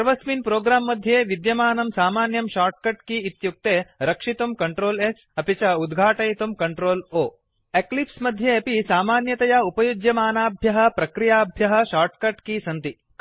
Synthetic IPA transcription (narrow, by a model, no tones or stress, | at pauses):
ɐɾʋɐsminpɾoːɡɾaːmːɐd̪ʱjeːʋid̪jɐmaːnɐmsaːmaːnjɐmʃaːɾʈkɐʈkiːt̪juk̚t̪eːɾɐkʂit̪umkɐɳʈɾoːles | ɐpit͡ʃɐud̪ɡʱaːʈɐjit̪umkɐɳʈɾoːloː | eklipsmɐd̪ʱjeɐpisaːmaːnjɐt̪ɐjɐupɐjud͡ʒjɐmaːnaːbʱjɐɦɐ̆pɾɐkɾijaːbʱjɐɦɐ̆ʃaːɾʈkɐʈkisɐnt̪i | k